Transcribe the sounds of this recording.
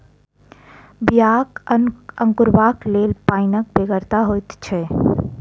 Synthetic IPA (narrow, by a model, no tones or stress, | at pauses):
bijaːkəŋkʊɾbaːkleːlpaːinək̚beɡəɾt̪aɦojt̪t͡ʃʰɛ